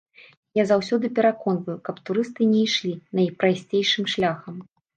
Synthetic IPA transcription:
jazawsʲɔd̪ɨpʲɛɾakɔnvɐjukɐpt̪uɾɨst̪ɨnʲɛjʂlʲinɐjpɾasʲt͡sʲejʂɨmʂlʲaxɐm

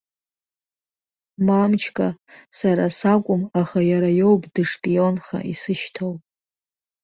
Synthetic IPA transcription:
mamt͡ʃʰkʼasaɾasakʷʼʊmaχajaɾajo̞wpʼdɨʂpʼijo̞nχa̰ʔisɨʃtʰowpʼ

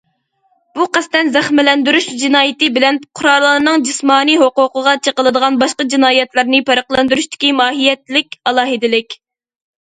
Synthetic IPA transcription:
b̥uqæst̪ɛnzæχmɪlɛnd̪yɾyʃd͡ʒinɑːjɪt̪ɪbɪlɛnqʰʊɾɑlˠːɑɾnɨŋd͡ʒismɑːniɦoqʊqəʁɑt͡ʃʰəqəlˠɨd̪əʁɑnbɑʃqɑd͡ʒinɑːjɛt̪lˠɨɾnɪpæɾəqlˠɑnd̪yɾuʃt̪ɪ̥kʲimɑːɦijɛt̪lɪkʲɑlˠɑːɦɨd̪ɪlɪkʲ

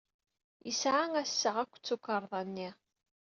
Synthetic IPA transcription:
jəsʕaŋæsːəʁækʷːt͡sːukːəɾˤðˤɑnːi

